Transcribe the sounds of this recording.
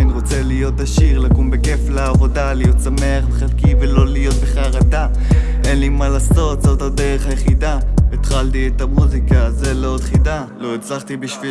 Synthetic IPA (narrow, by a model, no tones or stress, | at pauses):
niʁot͡selijo̞t̪aʃiʁlakumbeke̞flaːvo̞dalijo̞t̪same̞aχveχelkivelo̞lijo̞t̪̚beχaʁad̪a | ʔe̞nlimalaːso̞t̪zo̞t̪hade̞ʁeχajeχid̪aet̪χaltiet̪amuzikazelod̪χidalo̞et͡slaχt̪ibiʃvi